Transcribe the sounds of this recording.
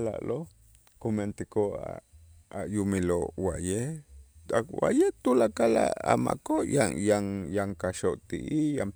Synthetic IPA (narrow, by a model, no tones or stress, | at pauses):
la̰lo | koment̪ikoa̰ | ajumilowaʔje | awa̰jet̪ulakala̰a̰ma̰kojajaŋjaŋkaʃoʔt̪ḭʔijam